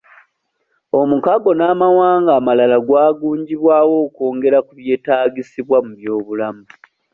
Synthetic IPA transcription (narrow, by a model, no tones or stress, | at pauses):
o̞mukaɡo̞naːmawaːŋɡaːmalalaɡwaːɡuːɲɟiβwaːwo̞ːko̞ːŋɡe̞ɾakuβje̞ːtaːɡisiβwamuβjo̞ːβulamu